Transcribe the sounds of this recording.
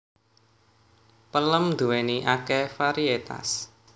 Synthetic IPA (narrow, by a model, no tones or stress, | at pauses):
pələmd̪uweniʔakɛfaɾiet̪a̰s